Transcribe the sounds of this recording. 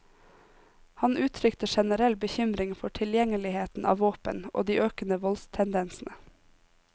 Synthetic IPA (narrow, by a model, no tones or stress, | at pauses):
hɑnʔʉːt̪ʰɾʏkt̪əʃɛnəɾɛlbəçʏmɾɪŋfɔʈʰɪljɛŋəlɪheːt̪n̩ʔɑ̰ːʋoːpə̰nʔo̰ːd̪iːʔøːkənəʋɔlst̪ʰɛnd̪ɛnsn̩ʔə